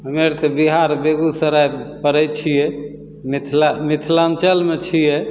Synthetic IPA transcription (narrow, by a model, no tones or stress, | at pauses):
ɦəmeɾt̪ɔbiɦaɾbeɡusəɾajpəɾɛt͡ʃʰijɛ | mit̪ʰlamit̪ʰlant͡ʃəlmet͡ʃʰijɛ